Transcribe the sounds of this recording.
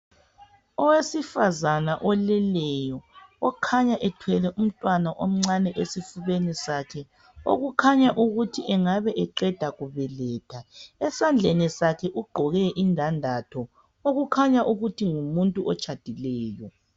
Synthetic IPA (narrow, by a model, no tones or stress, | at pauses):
ɔwesifazanaʔɔlɛlɛjɔːkʰaɲaʔɛtʰwɛlɛʔum̩tʼwanaʔom̩ŋ͡ǀanɛʔesifuβenisakʰɛ | o̰ɣukʰaɲaʔuɣutʰiʔɛŋaβɛʔɛǃɛd̥ʱaɣuβɛlɛːtʰaɛsand͡ɮʱenisakʰɛʔuɡ͡ǃʱɔɣɛʔindʱandʱatʰɔ | oɣukʰaɲaʔuɣutʰiŋumuntʼuʔɔt͡ʃʰʼad̥ʱilɛːjɔ